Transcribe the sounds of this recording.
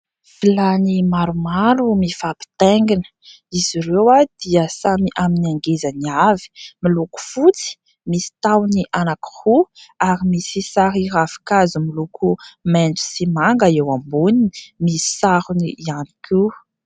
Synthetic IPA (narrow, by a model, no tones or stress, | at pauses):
filanimaɾumaɾumifapi̥t̪eŋɡinə̥ | iziɾewad̪̥iəsamiʔaminiaŋɡezaniavi̥miluku̥fut͡si̥ | misi̥t̪awniʔanaki̥huaɾimisisaɾirafi̥kazumilukʰumenɖ͡ʐu̥simaŋɡəewambuninimisi̥saɾuniianikʰi